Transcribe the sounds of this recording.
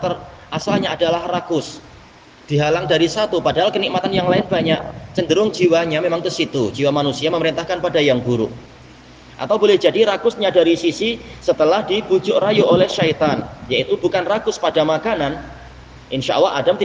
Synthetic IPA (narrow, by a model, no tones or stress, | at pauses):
t̪ərʔasalɲaʔːdalahrakʊs | d̥iɦalaŋdaɾisat̪upadaɦalkənik̚mat̪anjaŋlaɪnbaɲaʔ̚t͡ʃəndəɾʊŋd͡ʒiwaɲamemaŋk̪əsit̪ud͡ʒiwamanusiaməməɾint̪ahkanpadajaŋbuɾṵʔ | ʔa̰t̪awbolɛhd͡ʒadiɾakʊsɲadaɾisisisət̪əlahdibud͡ʒʊʔrajuʔolɛhʃait̪anjait̪ubukanrakʊspadamakanan | ʔɪnʃaʔa̰lːaɦadamt̪i